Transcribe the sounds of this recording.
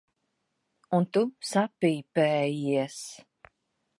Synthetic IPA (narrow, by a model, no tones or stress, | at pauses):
unt̪usapiːpɛːjiɛs